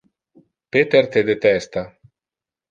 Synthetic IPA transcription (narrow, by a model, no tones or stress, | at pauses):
pet̪ert̪ed̪et̪ɛst̪a